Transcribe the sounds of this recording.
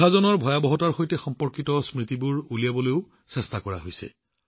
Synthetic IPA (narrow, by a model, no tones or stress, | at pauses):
azɔnɔɹbʱɔjabɔɦɔtaɹxojtɛxɔmpɔɹkitɔsmɹitibʊɹulijabɔlojʊ | sɛstakɔɹa̰ɦojsɛ̰